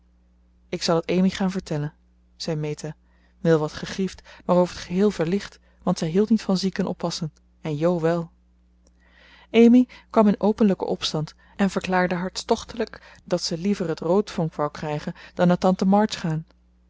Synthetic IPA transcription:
ɪksɑlˠɦətejmiχaːnvəɹtɛlən | z̥ɛjmejta | ʋɛlˠʋɑtχəχriftʋaːrowvəɹətχəɦɪːlˠvəɹlɪχt | ʋɑntsɛjɦilˠtnitfɑnzikənʔɔ̰pːɑsən | ɛnjowʋɛlˠ | ejmikʋɑmɪnowpənləkə̰ʔɔpstɑnt | ɛnv̥əɹklaːɹdəɦɑɹtstɔχtələk | d̥ɑtsəlivərətrowtfɔŋkʋawkrɛjχənd̥ɑnːaːtɑntəmɑɹt͡ʃχaːn

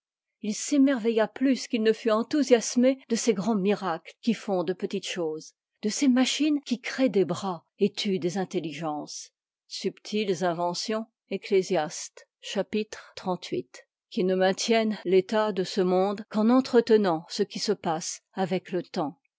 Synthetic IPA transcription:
ilsemɛʁvɛjaplyskilnəfyɑ̃t̪uzjasmed̪əseɡʁɑ̃miʁaklkʲifɔ̃d̪əpət̪it̪ʃoːz | d̪̥əsemaʃinkʲikχed̪ebʁa | et̪ʰyd̪ezɛ̃t̪eliʒɑ̃s | sypt̪ʰilzɛ̃vɑ̃sjɔ̃ | eklezjast̪ | ʃapit̪χt̪χɑ̃t̪ʰɥit̪ | kʲinəmɛ̃t̪jɛnlet̪ad̪əsəmɔ̃d̪kɑ̃nɑ̃t̪χət̪ənɑ̃səkʲisəpasavɛklət̪ɑ̃

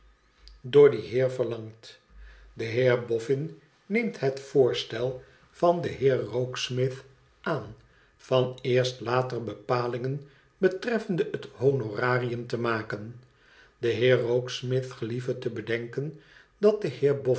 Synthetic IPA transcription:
dʊːɹdəɦɪːɹvəɹlɑŋt | dəɦɪːɹbɔfɪnː | ejmtɦɛtfoːɹstɛlˠ | vɑndəɦɪːɹrowksmɪθ | aːn | fɑnɪːɹstlaːtərbəpaːlɪŋən | bətrɛfəndəəthonoraːrijəmtəmaːkən | d̥əɦɪːɹːowksmɪθχəlivətəbədɛŋkən | dɑt̚dəhɪːɹbɔ

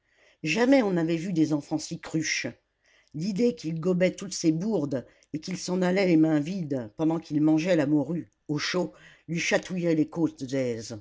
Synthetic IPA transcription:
ʒamɛɔ̃navɛvyd̪ezɑ̃fɑ̃sikχyʃ | lid̪ekilɡɔbɛt̪ut̪sebuʁd̪ | ekilsɑ̃nalɛlemɛ̃vid̪pɑ̃d̪ɑ̃kilmɑ̃ʒɛlamɔʁy | oʃo | lɥiʃat̪ujɛlekot̪d̪ɛz

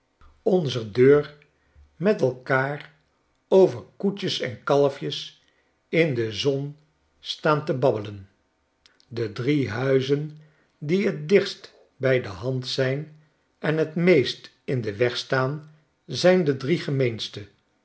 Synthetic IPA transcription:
ɔnzədøːɹ | mɛtɛlˠkaːr | owvəɹkut͡ʃəsɛ̰nkɑlˠəfjəs | ɪndəzɔn | staːntəbɑbələn | dədriɦœɥzən | diət̚dɪχst | bɛjdəɦɑntsɛjn | ɛnɦətmejst | ɪndəʋɛχstaːn | zɛjndədriχəmejnstə

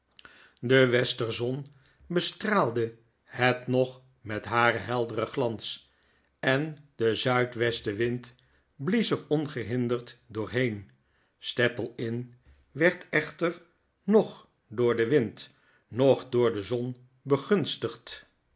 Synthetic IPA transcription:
dəʋɛstərzɔn | bəstraːlˠdə | hɛtnɔχ | mɛtɦaːrəɦɛlˠdərəχlɑns | ɛndəzœɥtʋɛstəʋɪnt | blisərɔnχəɦɪndəɹtdʊːɹɦejn | stɛpəlˠɪn | ʋɛɹtʰɛχtəɹ | nɔχ | dʊːɹdəʋɪnt | nɔχdʊːɹdəzɔn | bəχɵnstəχt

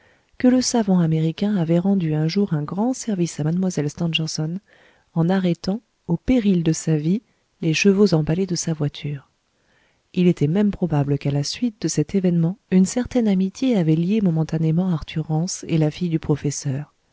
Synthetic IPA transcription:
kələsavɑ̃ameʁikʲɛ̃avɛʁɑ̃d̪yɛ̃ʒuʁɛ̃ɡʁɑ̃sɛʁvisamad̪mwazɛlst̪ɑ̃ʒɛʁsɔn | ɑ̃naʁɛt̪ɑ̃ | opeʁild̪əsavi | leʃəvozɑ̃baled̪əsavwat̪ʰyːʁ | ilet̪ɛmɛmpχɔbabləkalasɥit̪̚d̪əsɛt̪evɛnmɑ̃ynsɛʁt̪ɛnamit̪jeavɛljemɔmɑ̃t̪anemɑ̃aʁt̪ʰyʁːɑ̃sḛlafijd̪ypχɔfɛsœːʁ

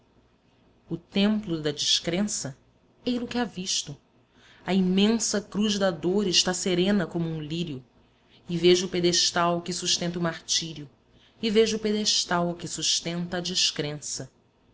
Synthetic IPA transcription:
ʊt̪ẽmplʊd̪ɐd͡ʒiʃkɾẽsɐ | ejlʊkɪaviʃt̪ʊ | ɐimẽsɐkɾuʒd̪ɐd̪oɾɪʃt̪aseɾẽnɐkõmuũliɾjʊ | ɪveʒɐʊped̪eʃt̪awkɪsuʃt̪ẽnt̪ɐumaɾt͡ʃiɾjʊ | ɪveʒʊped̪eʃt̪awkɪsuʃt̪ẽnt̪ɐːd͡ʒiʃkɾẽsɐ

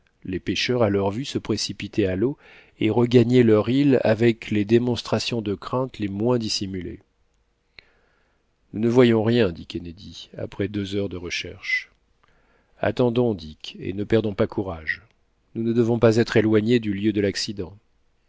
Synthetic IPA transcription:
lepeʃœʁalœʁvysəpχesipit̪ʰɛalo | eʁəɡaɲɛlœʁila̰vɛkled̪emɔ̃st̪χasjɔ̃d̪əkχɛ̃t̪lemwɛ̃d̪isimylḛ | nunəvwajɔ̃ʁjɛ̃d̪ikʲened̪ia̰pχɛd̪øzœʁd̪əʁəʃɛ̰ʁʃ | a̰t̪ɑ̃d̪ɔ̃d̪ikḛnəpɛʁd̪ɔ̃pakuʁaʒ | nunəd̪əvɔ̃pazɛt̪χelwaɲed̪yljød̪əlaksid̪ɑ̃

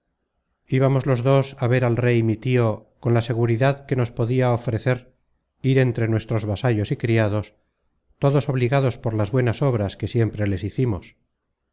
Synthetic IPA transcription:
iβamo̞zlo̞zðo̞saβ̞e̞ɾalrejmit̪io̞konlase̞ɣ̞uɾiðaðke̞no̞spo̞ðiaofɾe̞θe̞ɾ | iɾe̞nt̪ɾe̞nwe̞st̪ɾo̞zβasaʎo̞sikɾiaðo̞s | t̪o̞ðo̞so̞βliɣaðo̞spo̞ɾlazβwe̞naso̞β̞ɾaskesje̞mpɾe̞le̞siθimos

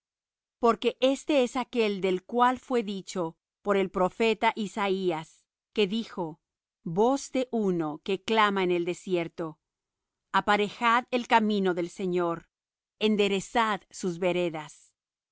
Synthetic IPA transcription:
po̞ɾke̞ʔe̞st̪e̞esake̞ld̪e̞lkwalfwe̞ðit͡ʃo̞ | po̞ɾe̞lpɾo̞fe̞t̪aʔisaias | ke̞ðixo̞ | bo̞zd̪e̞ʔuno̞ke̞klamaene̞ld̪e̞sje̞ɾt̪o̞ | apaɾe̞xaðelkamĩno̞ðe̞lse̞ɲo̞ɾ | e̞nd̪e̞ɾe̞saðsuzβe̞ɾe̞ðas

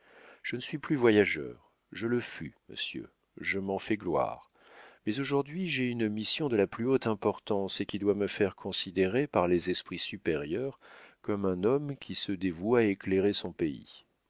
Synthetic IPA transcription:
ʒ̥ənəsɥiplyvwajaʒœ̰ːʁ | ʒələfymə̰sjø̰ | ʒəmɑ̃fɛɡlwa̰ʁ | mɛzoʒuʁd̪ɥiʒɛynmisjɔ̃d̪əlaplyot̪ɛ̃pɔʁt̪ɑ̃sekʲid̪waməfɛʁkʰɔ̃sid̪eʁepaʁlezɛspχisypeʁjœʁkɔmɛ̃nɔmkʲisəd̪evuaekleʁesɔ̃peḭ

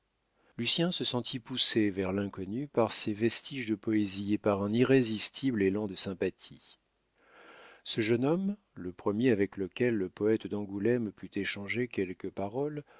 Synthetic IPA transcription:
lysjɛ̃səsɑ̃t̪ʰipusevɛʁlɛ̃kɔnypaʁsevɛst̪iʒd̪əpɔeziepaʁɛ̃niʁezist̪ʰiblelɑ̃d̪əsɛ̃pat̪ʰi | səʒənɔm | ləpχəmjeavɛkləkʲɛlːəpɔɛt̪d̪ɑ̃ɡulɛmpyt̪eʃɑ̃ʒekʲɛlkəpaʁɔl

